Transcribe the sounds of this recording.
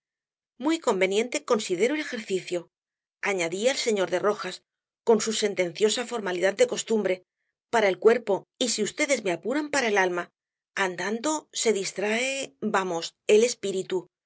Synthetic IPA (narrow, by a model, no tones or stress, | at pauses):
mwijko̞mbe̞njẽ̞nt̪e̞ko̞nsiðe̞ɾoele̞xe̞ɾθiθjo̞ | aɲaðialse̞ɲo̞ɾðe̞ro̞xas | ko̞nsuse̞nt̪e̞n̟θjo̞safo̞ɾmaliðad̪d̪e̞ko̞st̪umbɾe̞ | paɾae̞lkwe̞ɾpo̞isiust̪e̞ðe̞zme̞apuɾampaɾae̞lalma | and̪and̪o̞se̞ðist̪ɾaebamo̞se̞le̞spiɾit̪u